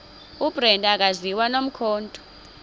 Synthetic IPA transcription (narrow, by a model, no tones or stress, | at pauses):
ub̥ʼrɛndʼak̬aziwanom̩kʰɔːntʼɔ̥